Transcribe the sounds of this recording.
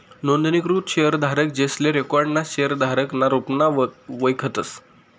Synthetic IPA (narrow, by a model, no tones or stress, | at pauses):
nond̪nikɾuːt̪ɕejəɾd̪ʱaɾək̚d͡ʑesleɾekɔɾɖnaɕejəɾd̪ʱaɾəknaɾupnaʋəjkʰət̪əs